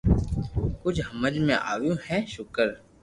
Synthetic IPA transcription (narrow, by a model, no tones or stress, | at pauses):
kʊt͡ʃʰɦəməd͡ʒmẽʔa̰ːwjũhɛʃʊkəɾ